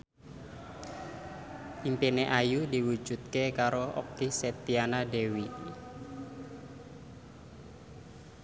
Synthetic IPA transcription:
impeneʔajudi̤wu̥ʒ̥ṳt̪̚kekaɾoʔɔ̰kiset̪ianadewi

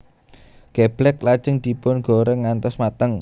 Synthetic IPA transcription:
ɡ̥ɛb̥lɛk̚lad̥ʒ̥ə̤ŋd̪̥i̤pʊnɡ̥o̤ɾəŋːant̪ɔsmat̪əŋ

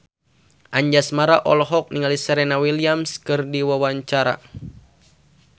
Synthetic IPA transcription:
ʔaɲd͡ʒasmaɾaʔɔlɦɔk̚niŋalisɛɾɛnawiliamskɨrdiwawaɲt͡ʃaɾa̰

